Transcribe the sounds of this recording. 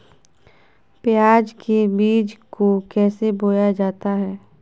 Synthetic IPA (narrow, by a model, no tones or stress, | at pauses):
pjaːd͡ʒkebiːd͡ʒkokɛːseboːjad͡ʒaːt̪aɦɛː